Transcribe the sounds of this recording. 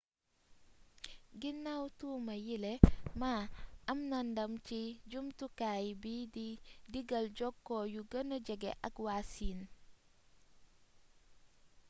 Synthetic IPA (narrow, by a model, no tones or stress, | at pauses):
ɡinːawtuːmɐjilɛmaʔɐmnandɐmt͡ʃiɟumtukaːjibididiɡɐld͡ʒɔkːɔjuɡɐnɔɟɛɡɛ̰ʔɐkwasin